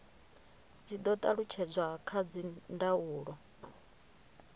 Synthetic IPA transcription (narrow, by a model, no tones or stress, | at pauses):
d͡zid̪ɔt̪ʼaɺut͡ʃʰɛd͡zʷakʰad͡zindauːɺɔ